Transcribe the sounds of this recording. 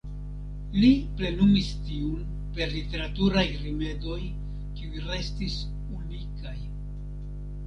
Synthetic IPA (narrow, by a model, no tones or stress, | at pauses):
liple̞numistiun | pe̞ɾlite̞ɾatuɾajɾime̞do̞j | kiujɾe̞stis | unikaj